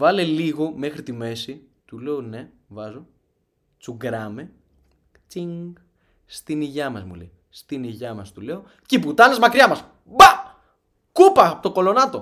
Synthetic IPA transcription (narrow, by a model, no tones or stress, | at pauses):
vɐle̞liɣo̞me̞xɾit̪ime̞si | t̪ule̞one̞ | vɐzo̞ | t͡suɡɾɐme | t͡siŋɡ | st̪iniʝɐmɐzmṵlḛji | st̪iniʝɐmɐst̪ule̞o̞ | ceput̪ɐnezmɐkɾiɐmɐs | bɐ | kupɐpot̪oko̞lo̞nɐt̪o̞